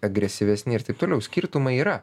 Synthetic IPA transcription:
ɐɡɾʲɛsʲɪʋʲɛsʲnʲɪɪɾt̪ɐɪp̚t̪oːlʲɛʊsʲkʲiːɾt̪ʊmɐiːɾɐ

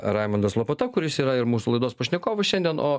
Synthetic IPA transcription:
ɾɑɪmɐnd̪ɐslˠoːpɐt̪ɐkʊɾʲɪsiːɾɐɪɾmuːsulˠɐɪd̪oːspɐʃʲnʲɛkoːʋɐʃʲɛnʲd̪ʲiɛnoː

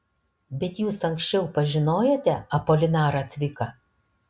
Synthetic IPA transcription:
bʲɛt̪juːsɐŋʲksʲt͡ʃʲɛʊpɐʒʲɪnoːjet̪ʲɛɐpoːlʲɪnɑːɾɐːt̪ʲʋʲɪkɐ

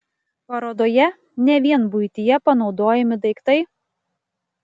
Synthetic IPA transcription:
pɐɾoːd̪oːjɛ | nʲɛʋʲiɛnbʊɪt̪ʲɪjɛpɐnɒʊd̪oːjɛmʲɪd̪ɐɪkt̪ɐɪ

